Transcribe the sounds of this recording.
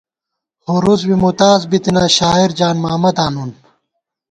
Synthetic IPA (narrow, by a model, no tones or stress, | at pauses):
hoɾuzwimut̪aːzbit̪inaːɕaːiɾd͡ʑaːnmaːmɐd̪aːnuːn